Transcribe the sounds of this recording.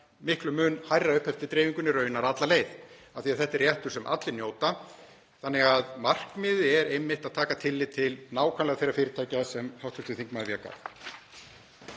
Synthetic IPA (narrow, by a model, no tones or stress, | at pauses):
mɪhklʏmʏːnhajrːaʏhpʰhɛft̪ɪt̪ɾeːviŋkʏnːɪɾœɥjʏnːaɾat̪laleːjðaθiaθɛht̪ɛrjɛht̪ʏɾ̥sɛmʔa̰t̪lɪnjoːwt̪a | θanːɛɣaðmar̥kmɪːðɪɛɾejmːɪht̪aðt̪ʰaːkat̪ʰɪlːɪt̪ʰɪlnaːwkʰanlɛɣaθejrːafɪːɾɪt̪ʰaːjcasɛmhawht̪ʰʏst̪ɪθiŋkmaðvjaka̰